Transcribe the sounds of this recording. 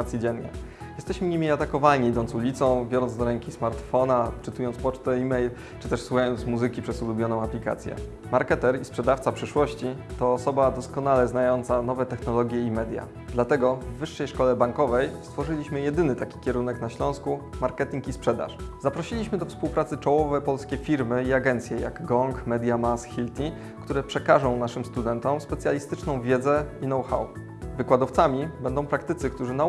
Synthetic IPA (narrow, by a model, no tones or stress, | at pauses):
t̪sʲid͡ʑɛnːɲɛ̰ | jɛst̪ɛɕmɘɲimʲiat̪akɔvalɲiid̪ɔnt̪sulʲit̪sɔ̃w̃bʲjɔɾɔnd̪ɔɾɛŋkʲismaɾt̪fɔnat͡ʂɘt̪ujɔnt̪spɔt͡ʂt̪ɛimɛjl | t͡ʂɘt̪ɛʂswuxajɔnt̪smuzɘkʲipʂɛzulubʲjɔnɔ̃w̃aplʲika̰t̪sʲjɛ̰ | maɾkɛt̪ɛɾispʂɛd̪aft̪sapʂɘʂwɔɕt͡ɕit̪ɔːsɔbad̪ɔskɔnalɛznajɔnt̪sanɔvɛt̪ɛxnɔlɔɡʲjɛimɛd̪ʲja̰ | d̪lat̪ɛɡɔvːɘʂːɛjʂkɔlɛbaŋkɔvɛjst̪fɔʐɘlʲiɕmɘjɛd̪ɘnɘt̪akʲi̥kʲɛɾunɛknaɕlɔ̃w̃skumaɾkɛt̪ʲiŋkispʂɛd̪a̰ʂzapɾɔɕilʲiɕmɘd̪ɔfspuwpɾat̪sɘt͡ʂɔwɔvɛpɔlskʲɛfʲiɾmɘiaɡɛnt̪sʲjɛja̰ɡːɔŋkmɛd̪ʲjamasxʲilt̪ʲi | kt̪uɾɛpʂɛkaʐɔ̃w̃naʂɘmst̪ud̪ɛnt̪ɔmspɛt̪sʲjalʲist̪ɘt͡ʂnɔ̃w̃vʲjɛd̪zɛinɔwxa̰w | vɘkwad̪ɔft̪samʲibɛnd̪ɔ̃w̃pɾakt̪ɘt̪sɘkt̪uʐɘna